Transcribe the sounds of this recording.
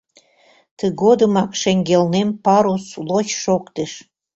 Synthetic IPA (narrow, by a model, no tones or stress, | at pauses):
t̪əɡod̪əmɑkʃeŋɡelnempɑɾusloçʃokt̪eʃ